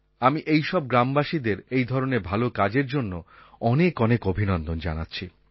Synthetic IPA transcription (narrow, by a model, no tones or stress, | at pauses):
amiʔejʃɔb̚ɡɾambaʃid̪eɾejd̪ʱɔɾoneɾbʱalokad͡ʑeɾd͡ʑonːo | ɔnekɔnekobʱinɔnd̪ond͡ʑa̰natːɕʰi